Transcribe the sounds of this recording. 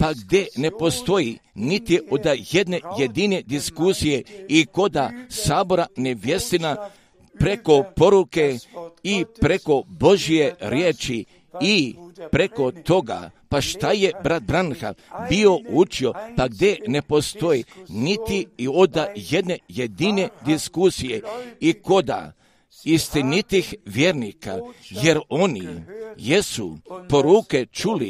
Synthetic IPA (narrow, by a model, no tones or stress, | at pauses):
paɡd̪ene̞po̞st̪o̞jinit̪iʔod̪aje̞d̪ne̞jed̪ine̞d̪iskusije̞iko̞d̪asaːbo̞ɾane̞ʋje̞st̪ina | pɾe̞ko̞po̞ɾuke̞ipɾe̞ko̞bo̞ʒije̞ɾjeːt͡ʃi | ipɾe̞ko̞t̪o̞ɡa̰paʃt̪aje̞bɾat̪̚bɾanxa̰bio̞ut͡ʃiopaɡd̪e̞ne̞po̞st̪o̞jinit̪iio̞d̪aje̞d̪ne̞je̞d̪ine̞d̪iskusijeiko̞d̪a̰ | ist̪init̪ixʋjeɾnika̰je̞ɾo̞nḭjesṵpo̞ɾuːke̞t͡ʃulḭ